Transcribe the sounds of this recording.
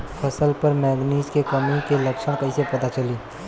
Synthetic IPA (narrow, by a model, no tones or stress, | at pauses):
pʰəsəlpəɾmɛːɡniːzkekəmikeləkʃəɽ̃kəisepɐt̪at͡ʃəliː